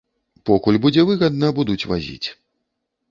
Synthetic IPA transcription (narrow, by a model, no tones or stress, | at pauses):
pɔkulʲbud͡zʲɛvɨɣɐd̪nɐbud̪ut͡sʲva̰zʲḭt͡sʲ